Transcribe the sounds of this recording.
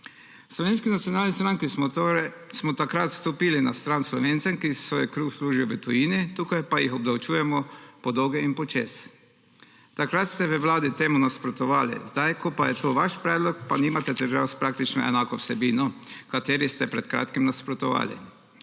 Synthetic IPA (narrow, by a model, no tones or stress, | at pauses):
slɔʋeːnskinat̪sjonaːlnist̪ɾaŋki | smɔt̪akɾat̪st̪ɔpiːlina̰st̪ɾaːnslɔʋeːnt̪sɛŋkisojɛkɾuːxsluːʒiɔʋət̪ujiːnit̪uːkajpajixɔb̚d̪awt͡ʃuːjɛmɔpɔd̪oːɡɛinpɔt͡ʃḛːs | t̪akɾat̪st̪ɛʋəʋlaːd̪it̪eːmunaspɾɔt̪ɔʋaːlḭzd̪ajkɔpajɛt̪oːʋaʃpɾɛːd̪lɔkpaniːmat̪ɛt̪ɛʒaːʋspɾak̚t̪it͡ʃnɔ̰ɛ̰naːkɔwsɛbiːnɔkat̪eːɾist̪ɛpɾɛt̪kɾa̰ːt̪kimnaspɾɔt̪ɔʋa̰ːlḭ